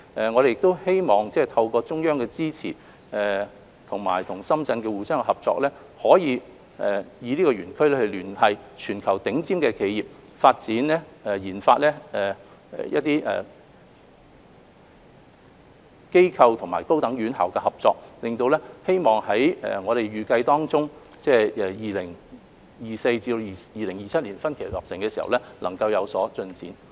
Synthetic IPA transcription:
ɛ˨ŋɔ˨˧ɾe˨jɪ˨k̚t̪o˥whe˥jmɔː˨ŋt͡sɛː˥˩t̪ʰɐ˧wkɔː˧t͡sʊ˥ŋjœː˥ŋkɛ˧t͡siː˥t͡sʰḭː˨˩ | ɛ˨˩ | t̪ʰʊ˨˩ŋma̰ː˨˩jt̪ʰʊ˨˩ŋsɐ˥mt͡sɐ˧nkɛː˧wuː˨˧sœː˥ŋɛ˧hɐ˨p̚t͡sɔ̰ː˧k̚lɛː˥ | hɔː˨˥jiː˨˧ | ɛ˨jiː˨˧liː˥kɔ˧ɥyː˨˩nkʰɵ˥ɥlɛː˥hɵ˧lyː˨˩nhɐ˨jt͡ʃʰyː˨˩nkʰɐ˨˩wt̪ɪ˨˥ŋt͡siː˥mkɛː˧kʰe˨˧jiː˨p̚ | faː˧t̚t͡siː˨˥nlɛː˥ɛ˨jiː˨˩nfaː˧t̚lɛː˥ɛ˨ | ɛ˨jɐ̰˦˥t̚t̪iː˥ʔɛ̰ː˨˩ | ke˥jkʰɐ˧wt̪ʰʊ˨˩ŋmaː˨jko˥wt̪ɐ˨˥ŋɥyː˨˥nhɐ̰˨˩wkɛ˧hɐ˨p̚t͡sɔː˧k̚lɪ˨ŋt̪o˧wlɛː˥he˥jmɔː˨ŋhɐ˨˥jɛ̰˨ŋɔː˨˧ɾe˨jɥyː˨˧kɐ˧jt̪ɔː˥ŋt͡sʊ˥ŋ | t͡sɛː˥˩ɛ˨jiː˨lɪ˨˩ŋ | jiː˨˩se˧jt͡siː˧˨jiː˨lɪ˨˩ŋjiː˨t͡sʰɐ˥t̚liː˨˩nfɐ˥nkʰe˨˩˨lɔ̰˨p̚sɪ˨˩ŋkɛː˧siː˨˩hɐ̰˨wlɛ˥lʔɐ˨˩ŋkɐ˧wjɐ˨˧wsɔː˨˥t͡sɵ˧nt͡sḭː˨˥n

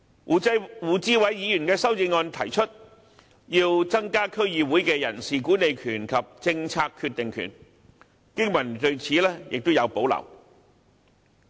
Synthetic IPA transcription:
wuː˨˧t͡siː˥wɐ˨˥jjiː˨˧jyː˨˩nkɛː˧sɐ˥wt͡sɪ˧ŋːɔː˧nt̪ʰɐ˨˩jt͡ʃʰɵ˥t̚ | jiː˧wt͡sɐ˥ŋkaː˥kʰɵ˥ɥjiː˨˧wuː˨˥jkɛ˧jɐ̰˨˩nsiː˨kuː˨˥ne˨˧jkʰyː˨˩nkʰɐ˨p̚t͡sɪ˧ŋt͡sʰaː˧kʰːyː˧t̚t̪ɪ˨ŋkʰy̰ː˨˩n | kɪ˥ŋmɐ˨˩nt̪ɵ˧ɥt͡sʰiː˨˥lɛː˥jɪ̰˨k̚t̪o˥wjɐ˨˧wpo˨˥wlɐ̰˨˩w

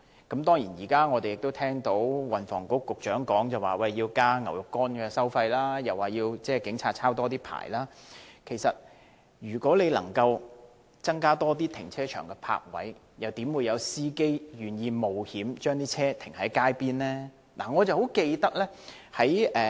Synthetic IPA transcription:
kɐ˨˥mt̪ɔː˥ŋjiː˨˩njiː˨˩kaː˥ŋɔ˨˧e˨jɪ˨k̚t̪o˥wt̪ʰɛː˥ŋt̪o˨˥wwɐ˨nfɔ̰ː˨˩ŋkʊ˨˥kːʊ˨k̚t͡ʃœː˨˥ŋkɔː˨˥ŋt͡sɐ˨wa̰ː˨˩wɐ˧jːiː˧wkaː˥ŋɐ˨˩wjʊ˨kːɔː˥nkɛː˧sɐ˥wfɐ˧jlaː˥jɐ˨wːaː˨˩jiː˧wt͡sɛː˥˨kɪ˨˥ŋt͡sʰaː˧t̚t͡sʰaː˥wt̪ɔː˥t̪iː˥pʰa̰ː˨˩jlaː˥kʰe˨˩jsɐ˨t̚ | jyː˨˩kʷɔː˨˥le˨˧jlɐ̰˨˩ŋkɐ˧w | t͡sɐ˥ŋkaː˥t̪ɔː˥t̪iː˥t̪ʰɪ̰˨˩ŋt͡sʰɛː˥t͡ʃʰœ̰ː˨˩ŋkɛ˧pʰa̰ː˧k̚wɐ̰˨˥j | jɐ˨˩wt̪iː˨˥mwu˨˧jɐ˨˧wsiː˥ke˥jjyː˨˩njiː˧mo˨whiː˨˥mt͡ʃœː˥ŋt̪iː˥t͡sʰɛː˥t̪ʰɪ̥˨˩ŋhɐ˨˥jkaː˥jpiː˥nlɛː˥ | la̰˨˩ŋɔː˨˧t͡sɐ˨˩who˨˥wke˧jt̪ɐ˥k̚lɛː˥ | hɐ˨˥jʔɛː˨˧

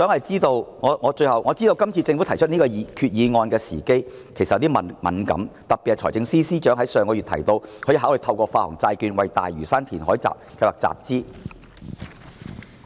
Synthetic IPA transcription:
sœː˨˥ŋhɐ˨jt͡siː˥t̪o˧wŋɔː˨˧ŋɔː˨˧t͡ʃɵ˧ɥjhɐ˨wŋɔː˨˧t͡siː˥t̪o˧wkɐ˥mt͡sʰiː˧t͡sɪ˧ŋfu˨˥t̪ʰɐ˨˩jt͡ʃʰɵ˥t̚niː˥kɔː˧jkʰyː˧t̚jiː˨˧ŋɔː˧nkɛː˧siː˨˩ke˥jkʰe˨˩jsɐ˨t̚t̪iː˥mɐ˨mɐ̰˨˥nkɐ̰˨˥mt̪ɐ˨˩pːi˨t̚ːt͡ʃʰɔː˨˩t͡sɪ˧ŋsiː˥siː˥t͡ʃœː˨˥ŋɦɐ˨˥jsœː˨ŋkɔ˧y˨t̪ʰɐ̰˨˩jt̪o˧wʰɔː˨˥ji˧ɦaː˨˥wlɵ˨jt̪ʰɐ˧wkʷɔː˧faː˧hʊ̰˨˩ŋt͡saː˧jkyː˧nwɐ˨jt̪a̰ː˨jɥyː˨˩saː˥nt̪ʰiː˨˩nɦɔː˨˥jt͡sa̰ː˨p̚kʰɐ˧jwaː˨k̚t͡sa̰ː˨p̚t͡siː˥

